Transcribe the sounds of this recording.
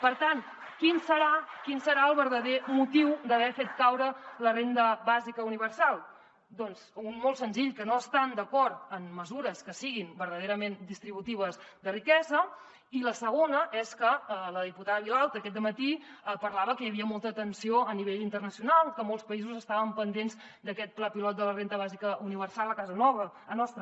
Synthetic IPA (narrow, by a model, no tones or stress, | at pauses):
pəɾt̪an | kinsəɾakinsəɾaəlˠβəɾðəðemut̪iwd̪əβ̞ɛfet̪kawɾələrend̪əβazikəuniβərsalˠ | d̪ɔnzunmolˠtsənziʎkənoəst̪and̪əkɔɾt̪əmːəzuɾəskəsiɣimbəɾðəðeɾəmend̪ist̪ɾiβut̪iβ̞əzd̪ərikɛzə | iləsəɣ̞onəʔɛskəələðiput̪aðəβilalˠt̪əːkɛt̪d̪əmət̪iəpəɾlaβəkəjəβiəmolˠt̪əːt̪ənsioəniβeʎint̪ərnəsiunalˠkəmolˠspəizuzəst̪aβəmpənd̪enz | d̪əkɛt̪̚plapilɔt̪̚d̪ələrend̪əβazikəuniβ̞ərsalˠəkazənɔβə | nɔst̪ɾə